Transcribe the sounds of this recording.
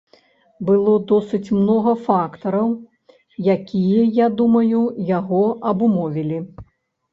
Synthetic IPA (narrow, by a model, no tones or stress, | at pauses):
bɨlˠɔd̪ɔsɨt͡sʲmnɔɣɐfakt̪ɐɾɐw | jakʲijɐjad̪umɐjujaɣɔʔɐbumɔvʲilʲi